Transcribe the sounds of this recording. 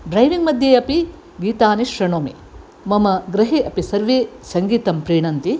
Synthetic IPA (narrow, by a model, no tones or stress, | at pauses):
ɖɾɐjʋiŋɡmɐd̪ʱjeɐpi | ɡiːt̪aːniʃɾɐɳoːmḛː | mɐmɐɡɾɐɦeːʔɐpisɐɾʋeːsɐŋɡiːt̪ɐmpɾeːɳɐnt̪i